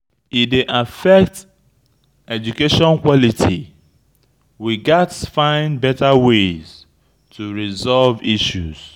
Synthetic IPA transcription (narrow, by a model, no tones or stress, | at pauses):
ifdeʔafɛk̚t | ɛd͡ʒukeʃɔ̃nkwɔlitʰḭ | wiɡatsfãɪ̃nbɛtawez̥ | tʰuɹizɔlviʃuz̥